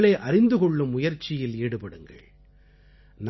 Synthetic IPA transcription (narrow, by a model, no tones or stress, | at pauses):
ɭɐɪʔɐɾɪnd̪ɯkɔɭːɯmːʊjɐɾt͡ʃːɪjɪleːɽɯpɐɽɯŋɡɐ̰ɭ | n